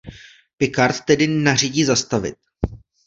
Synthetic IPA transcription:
pɪkaɾt̪ːɛdɪnariɟiːzast̪avɪ̰t̪̚

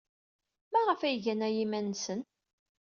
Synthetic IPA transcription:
mæʁəfæjʝænæjimænsən

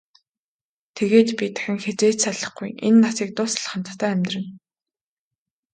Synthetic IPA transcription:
t̪ʰeɣeːt̪pʲit̪ʰḁxʲɪ̆ŋxet͡seːt͡ɕsaɮə̆χɡujḛnːasiːk̚t̪ʊsɮχə̆m̥t̪t̪ʰæːæmʲt̪rɘ̆n

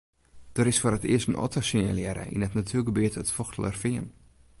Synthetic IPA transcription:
d̥əɾɪsfʊːrətɪəstənʔɔ̰təsinja̰ljɛɾə̰ʔḭnətnatʰyəɡəbyətətfɔxtʰələ̰rfɪən

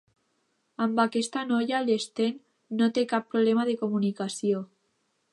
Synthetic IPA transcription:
ambakest̪anojalest̪enː | ot̪ekapːɾoβlemaðekomunikasjo

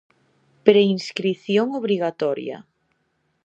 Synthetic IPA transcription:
pɾeinskɾiθjoŋoβɾiɣat̪ɔɾjɐ̰

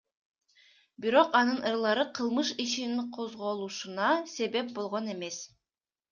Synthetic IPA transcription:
biɾo̞qɑnɯnʔɯɾlˠɑɾɯqʰɯlˠmɯʃiʃiniɴqʰo̞zʁolˠuʃunɑse̞βe̞p̚bo̞lˠʁone̞me̞s

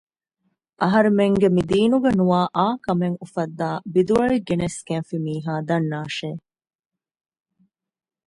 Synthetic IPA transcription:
ʔɐɦɐɾemeŋɡemid̪iːnuɡenuʋaːʔaːkɐmeŋufɐd̪ːaːbid̪uɐɭiɡeneskenfimiːɦaːd̪ɐnːaːʃeː

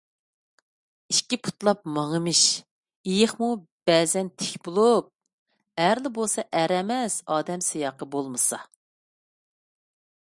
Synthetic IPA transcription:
iʃkʲipʰu̥t̪lˠɑp̚mɑŋəmɨʃ | ijɪχmub̥ɛːzɛnt̪ʰɪ̥kʲbulˠup̚ | æɾlɪbolˠsɑʔæɾɛmɛsɑːd̪ɛmsɨjɑːqəbolˠmɨsɑ

